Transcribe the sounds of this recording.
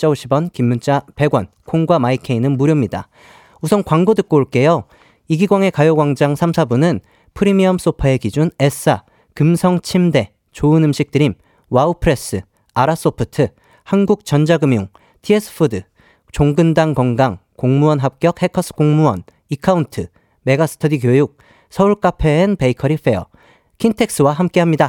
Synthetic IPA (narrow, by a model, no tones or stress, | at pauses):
t͡ɕ͈ʌoɕʰibʌnkimːunt͡ɕ͈ape̞ɡwʌnkʰoŋɡwamaikʰe̞inɯnmuɾjomɲida̰ | usʰʌnkwaŋɡodɯk̚k͈oɭk͈e̞jo | iɡiɡwaŋe̞kajoɡwaŋd͡ʑaŋsʰamsʰabunɯn | pʰɯɾimiʌms͈opʰae̞kid͡ʑune̞s͈ʰa | kɯmsʰʌŋt͡ɕʰimde̞ | t͡ɕoɯnɯmɕʰik̚t͈ɯɾim | waupʰɯɾe̞s͈ɯ | aɾas͈opʰɯtʰɯ | hanɡuk̚t͡ɕʌnd͡ʑaɡɯmjoŋ | tʰies͈ʰɯ̥pʰɯdɯ | t͡ɕoŋɡɯndaŋkʌŋɡaŋ | koŋmuwʌnɦap̚k͈jʌk̚he̞kʰʌs͈ʰɯ̥koŋmuʌ̰n | ikʰauntʰɯ | me̞ɡasʰɯ̥tʰʌdikjojuk̚ | sʰʌuɭk͈apʰe̞ːnpe̞ikʰʌɾiɸʰe̞ʌ̰ | kʰintʰe̞k̚s͈ɯwaɦamk͈e̞ɦamɲida